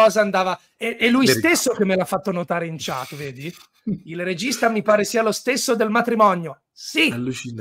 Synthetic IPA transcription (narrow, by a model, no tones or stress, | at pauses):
ɔːzaand̪aːva | ɛɛlːujst̪esːok̟emːelafːat̪ːonot̪aːɾeint͡ʃat̪ːveːd̪i | ilred͡ʒist̪amipaːɾesiːalost̪esːod̪elmat̪ɾimɔnjo | silu